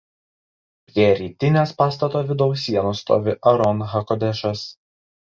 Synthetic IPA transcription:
pʲɾʲiɛɾʲiːt̪ʲɪnʲeːspɑːst̪ɐt̪oːʋʲɪd̪ɒʊsʲiɛnʊst̪o̰ːʋʲɪʔɐɾɔnɣɐkɔd̪ʲɛʃɐs

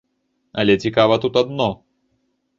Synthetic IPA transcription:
ɐlʲɛt͡sʲikavɐt̪ut̪ad̪nɔ

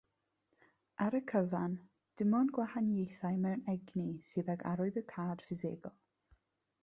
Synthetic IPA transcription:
aɾəkʰəvan | d̥ɪmɔnɡwahanjejθajmɛwnɛɡnisɨːðaɡa̰ɾʊɨðəkʰaːd̥fɪzeːɡɔlˠ

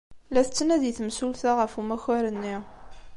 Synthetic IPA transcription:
læθət͡sːənæðiθəmsulθaʁəfumæçæɾənːi

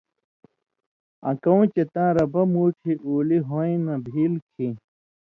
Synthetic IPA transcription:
ɐ̰̃kɐũt͡ɕet̪ãːɾɐbɐmuːʈʰiʔuːliɦoĩnɐ̃bʱiːlkʰĩ

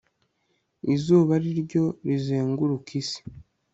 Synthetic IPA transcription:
izuːβaɾiɾɟo̞ɾizeːŋɡuɾukisi̥

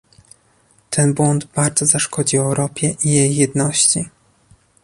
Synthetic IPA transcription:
t̪ʰɛnbwɔnd̪baɾd̪zɔzaʂkɔd͡ʑiɔɛwɾɔpʲjɛʔijejːɛd̪nɔɕt͡ɕi

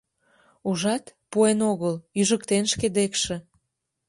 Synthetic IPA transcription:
uʒɑt̪puenoɣəlyʒəkt̪enʃked̪ekʃĕ

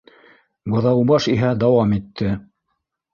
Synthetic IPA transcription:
bɤ̆ðɑwbɑʃiɦæd̪ɑwɑmit̪ʰːɘ

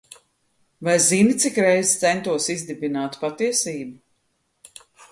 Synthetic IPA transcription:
vajzinit̪sikɾɛjzt̪sɛnt̪uɔsizd̪ibinaːt̪pat̪iɛsiːbu

